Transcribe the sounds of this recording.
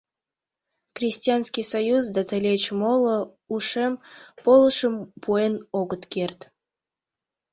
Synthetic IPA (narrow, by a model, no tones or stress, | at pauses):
krʲisʲtʲianskʲijsɐjuzd̪at̪əlʲet͡ɕmolˠə̆ | uʂempolˠəʃəmpuenoɡət̪kʲert̪